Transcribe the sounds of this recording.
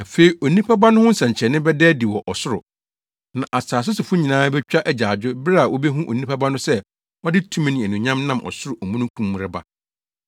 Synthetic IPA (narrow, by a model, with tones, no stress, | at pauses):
a˨fe˦i˨ʔo˨nĩ˦pʰa˦ba˦nʊ̃˦hʊ̃˦n̩˦sã˨ɲt͡ɕʰɛ˨nɪ̃˦bɛ˦dɛː˦di˨wɔ˨ʔɔ˨sʊ˦ɾʊ̰˨ | nã˨ʔa˨saː˨s̬ʊ˦sʊ˨fʊ˦ɲĩ˨nãː˦bɛ˦t͡ɕᶣa˦ʔæ˨d͡ʑaː˨d͡ʑᶣʊ˦bɾa˨wɔ˦be˦ɦũ˦ʔo̰˨nĩ˦pa˦ba˦nʊ̃˦sɛ˦ | ɔ˦dɪ˦tʰũ˦m̃˦nɪ̃˨æ˨nũ˨ɲã˦mnã˦mʔɔ̰˨sʊ˦ɾʊ˨ʔɔ˨mũ˦nʊ̃˦kʰũ˦mːũ˨ɾɪ˦ba̰˦